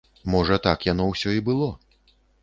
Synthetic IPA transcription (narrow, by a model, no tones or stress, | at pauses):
mɔʐɐt̪akjan̪ɔwsʲɔibɨlˠɔ